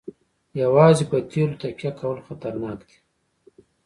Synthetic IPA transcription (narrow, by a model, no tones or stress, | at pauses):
jawɑːzepət̪elot̪apjakʰawəlxat̪aɾnɑːkd̪̥i̥